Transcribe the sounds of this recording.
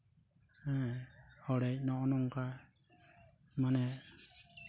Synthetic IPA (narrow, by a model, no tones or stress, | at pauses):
ɛ | ɔɽɛc̚nɔʔɔnɔŋka | manɛ